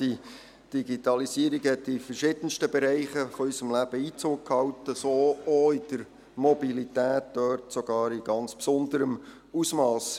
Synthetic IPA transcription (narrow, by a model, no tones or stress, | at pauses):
d̥i | d̥iɡitɑlisiəɾiɡhɛtːɪfəɾʃɪd̥ən̩ʃtəbɛɾɛɪχəfɔyʏsəmlæb̥əiːt͡soːk̚khɑwtəsoːoɪd̥əɾ | mɔbilitæːt̚d̥œɾtsoɡ̥ɑːɾiɡ̥ɑnt͡spsʊnd̪əɾəm | usmɑːs